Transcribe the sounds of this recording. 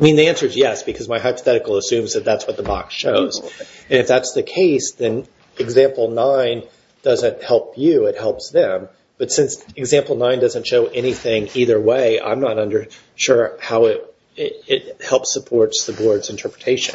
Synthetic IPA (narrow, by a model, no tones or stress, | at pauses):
aɪmĩnðiæ̃nsə˞ɨzjɛsb̥ɨkʰʌzmaɪɦaɪpə̥θɛɾɨkl̩ˠəsʉ̃mzðɨt̪̚ðætswʌt̪̚ðəbɑ̰ksʃoʊz̥ | ɨ̃nɨfðætsðɨkʰeɪsðɨ̃n | ɨɡzæ̃mpl̩ˠnãɪ̃n | d̥ʌzɨ̃nt̚hɛlˠpʰjʉɪt̚hɛlˠpsðɨ̃m | b̥ʌtsɪ̃nsɨɡzæ̃mpl̩ˠnãɪ̃ndʌzɨ̃ntʃoʊʔɛñiθɪ̃ŋiðə˞weɪʔã̰ɪ̃mnəɾʌ̃ndə˞ | ʃʊɹhaʊɪt̚ | ɪtɪthɛlˠpsəpʰɔɹtsðɨbɔɹdzɨ̃ntʰɜ˞pɹɨtʰeɪʃɨ̃n